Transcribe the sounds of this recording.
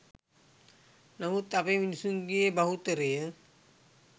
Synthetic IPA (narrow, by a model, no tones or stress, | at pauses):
namut̪apeminusuŋɡijebaɦut̪əɾejə